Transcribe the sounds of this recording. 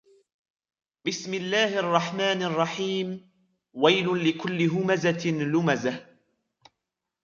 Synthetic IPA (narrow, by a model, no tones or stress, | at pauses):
bɪsmɪlːaːhʔɑrˤːɑħmaːnʔɑrˤːɑħiːm | wajlʊlɪkʊlːɪɦʊmazalʊmazah